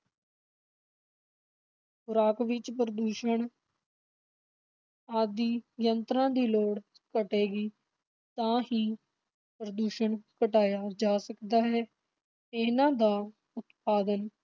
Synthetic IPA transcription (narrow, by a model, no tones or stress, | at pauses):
xʊɾaːkʋɪt͡ʃpɾəd̪uːʃəɳ | aːd̪iːjənt̪ɾãːd̪iːloːɽ | kəʈeːɡiː | t̪ãːɦĩː | pɾəd̪uːʃəɳkəʈaːjaːd͡ʒaːsəkd̪aːɦɛː | ɪnãːd̪aː | ʊt̪paːd̪ən